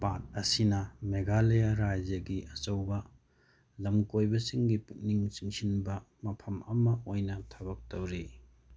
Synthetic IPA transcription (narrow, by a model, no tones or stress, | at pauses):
pat̚ɐsinɐmeɡalejaɾad͡ʒjɐɡiʔɐsɐwbɐ | lɐmkojbɐsiŋɡiputniŋsiŋsinbɐmɐpʰɐmɐmɐojnɐtʰɐβɐk̚towɾi